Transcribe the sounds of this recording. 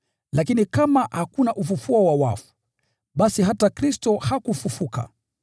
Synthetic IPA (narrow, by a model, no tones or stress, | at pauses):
lakinikamahakunaʔufufuɔwawa̰fu̥ | ɓasiɦatakɾistɔhakufufuka̰